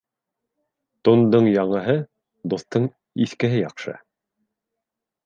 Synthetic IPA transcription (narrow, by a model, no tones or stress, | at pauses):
t̪ŏnd̪ɤɴjɑɴɤ̆ɦɤ | d̪oθt̪ɤɴ | iθkɘ̆ɦɘjɑqʃɤ̰